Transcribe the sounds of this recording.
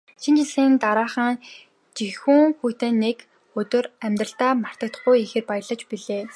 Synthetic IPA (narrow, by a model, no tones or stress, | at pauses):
ʃint͡ɕiɮiːnt̪aɾaːχə̆ŋ | t͡ɕixuŋxujt̪ɘ̆nːek | ɵt̪ɵ̆ræmʲt̪rə̆ɬt̪aːmar̥t̪ə̆k̚t̪̆χujixĕːrpajə̆ɮə̆t͡ɕpiɮeː